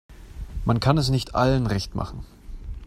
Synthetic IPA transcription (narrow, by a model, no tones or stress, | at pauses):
mankʰanɛsnɪçtʰʔa̰lənʁɛçtma̰χn̩